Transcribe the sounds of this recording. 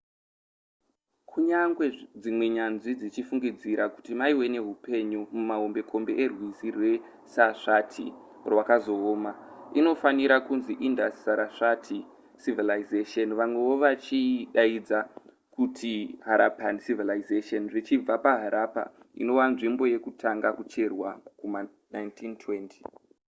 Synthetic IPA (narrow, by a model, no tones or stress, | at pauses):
kʰuɲaŋɡwe̞d͡zimwe̞ɲanʐid͡zit͡ʃifuŋɡid͡ziɾaku̥timaiwe̞ne̞ɦupe̞ɲumumaɦombe̞kʰo̞mbe̞̰ʔerwizirwe̞ | saʂatʰḭ | rwakazo̞ːmaino̞faniɾakunziʔindassaɾaʂatʰi | sivilaizeʃonʋamwe̞ʋo̞ʋat͡ʃiɗaid͡za | kutʰiɦaɾapansivilaizeʃonʐit͡ʃib͡vapaɦaɾʔapa̰ | ḭno̞ʋanʐimbo̞je̞kutʰaŋɡakut͡ʃe̞rwakuma | najntʰintʰwe̞ntʰi̥